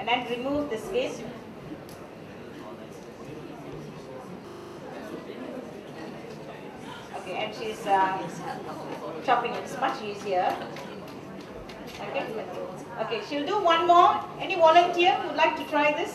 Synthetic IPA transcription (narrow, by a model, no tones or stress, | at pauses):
ɛ̃ndɛ̃nɹimuvd̪əspes | okeʔɛ̃nʃisʌ | ʃɔpɪ̃ŋɪtsmat͡ʃjiziə | aɡɛt̚duɪt̚ | ʔokeʃilduwãnmɔɛniwɔlə̃ntiəjudlaɪk̚tutɹajdɪs